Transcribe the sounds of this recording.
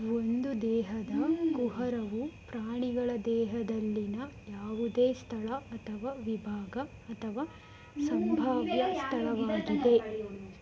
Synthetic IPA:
o̞nd̪ud̪ɛːɦɐd̪ɐɡuɦɐɾɐʋupɾaːɳiɡɐɭɐd̪ɛːɦɐd̪ɐlːinɐjaːʋud̪eːst̪ʰɐɭɐɐt̪ʰɐʋaːʋibʱaːɡɐːt̪ʰɐʋaː | sɐmbʱaːʋjɐst̪ʰɐɭɐʋaːɡid̪e̞

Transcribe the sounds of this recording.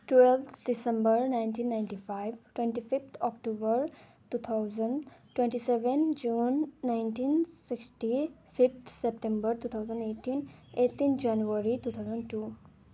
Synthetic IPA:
ʈwɛlt̪ʰdisə̃mbəɾnajnʈiːnːaɪ̃nʈifajʋʈwẽɳʈifift̪ʰɔkʈobəɾ | tuːt̪ʰawzə̃ɳɖʈːwẽɳʈiseʋend͡ʒuːnːaɪnʈiːnsiksʈifʰift̪ʰsep̚ʈẽmbəɾt̪uːt̪ʰawzə̃neːʈiːnet̪ːind͡ʒanjuəɾiʈuːt̪ʰawzə̃ɳɖʈuː

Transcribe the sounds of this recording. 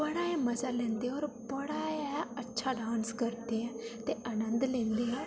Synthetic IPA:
bəɽaːeməzalẽːnd̪eɔːɾbəɽaːaətːʃʰaɖʱãːnskəɾt̪eɦɛ̃t̪eʔaːnə̃nd̪lẽːnd̪eɦɛ̃ː

